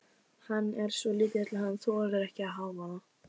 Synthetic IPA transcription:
hanːɛɾ̥sɔliːt̪ɪt̪ʰɪlhanːθɔɛɾðɛɾɛhcɪaðɦaːwvaa

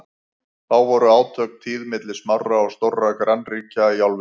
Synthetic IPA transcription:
θawvɔɾʏaːwt̪ʰœk̚t̪ʰiːðmɪt̪lɪ̥smawraɔɣst̪owrːakɾanriːcaiawlvɪ

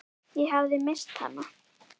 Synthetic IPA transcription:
jɛɦavðɪmɪst̪ha̰nːa

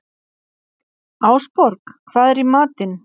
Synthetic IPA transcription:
aːwspɔɾkkʰvaːðɛɾimaːt̪ɪn

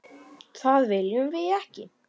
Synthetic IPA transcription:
θaðvɪljʏmvɪðɛhcɪ̰

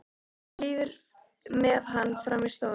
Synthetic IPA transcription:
liːvʏɾ | mɛðɦanːfɾawmɪst̪aw

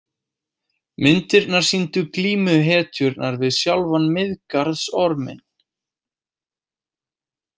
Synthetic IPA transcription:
mɪnt̪ɪɾnaɾ̥sint̪ʏkliːmʏɦɛːt̪ʰʏɾnaɾvɪðsjawlvanmɪðkaɾðsɔɾmɪ̰n

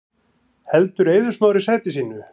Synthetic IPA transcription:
hɛlt̪ʏɾejðʏsmaːwɾɪsajɾt̪ɪsiːnʏ

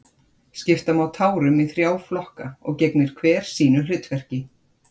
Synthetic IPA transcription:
scɪft̪amawt̪ʰaːwɾʏmiθɾjaːwflɔhkaɔ̰ɣceknɪɾ̥kʰvɛːɾ̥siːnʏlʏt̪vɛr̥cɪ

